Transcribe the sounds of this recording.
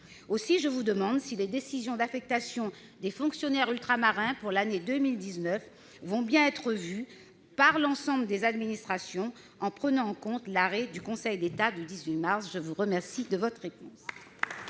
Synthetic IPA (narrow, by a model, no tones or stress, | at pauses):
osiʒəvud̪əmɑ̃d̪siled̪esizjɔ̃d̪afɛk̚t̪asjɔ̃ | d̪efɔ̃ksjɔnɛʁylt̪χamaʁɛ̃puʁlaned̪əmild̪iznœf | vɔ̃bjɛ̃ɛt̪χəvy | paʁlɑ̃sɑ̃bləd̪ezad̪minist̪χasjɔ̃ | ɑ̃pχənɑ̃ːkɔ̃t̪laʁɛd̪ykɔ̃sɛjd̪et̪ad̪yd̪izɥimaʁsʒəvuʁəmɛʁsid̪əvɔt̪χʁepɔ̃s